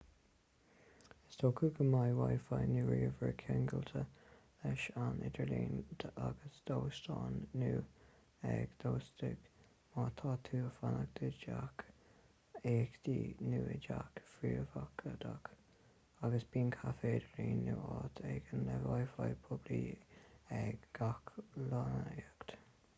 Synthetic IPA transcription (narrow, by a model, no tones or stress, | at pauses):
ɪst̪okʰəɡəmajwajfajnuːɹiːəvəɹkʰɛŋɡəlt̪ʰə | ɛʃanʔɪd̪əɹliːnd̪aɡəsd̪̥oːst̪ɑːnːuː | ɛɡ̥d̪̥oːstɪɡ̥ | mɑːt̪ʰɑːt̪ʰuːfanəɡ̚d̪̥əd͡ʒak | eːkt̪iːnuːɪd͡ʒakfɾiːɹvakʰəd̪ak | aɡəsb̥iːnkʰafeːd̪əliːnːuɑːt̪ʰɛɡənlɛvajfajpʰʊbli | ɛɡɡakʰlɑnəeɡt̪